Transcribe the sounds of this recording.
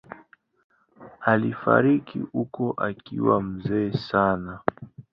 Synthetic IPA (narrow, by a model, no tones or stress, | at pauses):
alifa̰ɾikʰḭhukɔʔakiwam̩zɛːsana